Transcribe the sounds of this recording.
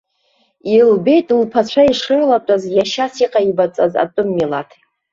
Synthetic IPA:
ilbe̞jtʼlpʰat͡ɕʷʰaiʂɨrlatʷʼazjaʃasiqʼaibat͡sʼa̰za̰tʼʊmːilatʰ

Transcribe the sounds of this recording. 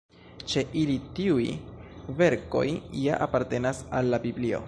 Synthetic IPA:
t͡ʃe̞ʔilitiujve̞ɾko̞̰jja̰ʔapaɾte̞nasalːabiblio̞̰

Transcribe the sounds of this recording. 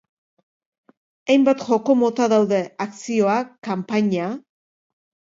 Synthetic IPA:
ajmbat̪xo̞ko̞mo̞t̪aðawðe̞aksio̞akampaɲa

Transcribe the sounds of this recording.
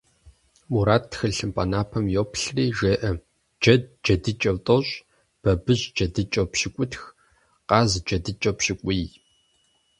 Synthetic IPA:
muɾaːtːxɨɬɨmpʼɐnaːpʰɐmjoːpʰɬriːʒeːʔɐ | d͡ʒɐd̚d͡ʒɐdɨt͡ʃʼɐwtʼoɕʼ | b̥ɐbɨʑd͡ʒɐdɨt͡ʃʼɐpʃɪkʷʼʊtx | qɑːzd͡ʒɐdɨt͡ʃʼɐpɕɪkʷʼij

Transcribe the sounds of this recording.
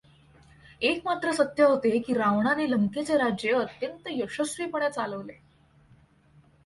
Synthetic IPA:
ekmat̪ɾəsət̪jəɦot̪ekiːɾaʋɳaneləmket͡seɾad͡ʑjeət̪jənt̪əjəʂəsʋiːpəɳjat͡saləʋle

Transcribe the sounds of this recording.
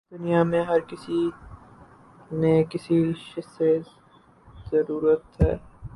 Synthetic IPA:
d̪ʊnijamẽɦɐɾkɪsi | nẽkɪsiʃɪsez | zɐɾuːɾət̪ɦɛ̰ː

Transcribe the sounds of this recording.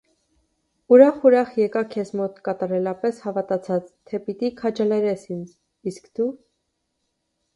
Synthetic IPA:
uɾɑχuɾɑχjɛkɑkʰɛzmɔt̪kɑt̪ɑɾɛlɑpɛshɑvɑt̪ɑt͡sʰɑt͡st̪ʰɛpit̪ikʰɑt͡ʃɑlɛɾɛsind͡z | iskd̪̥u

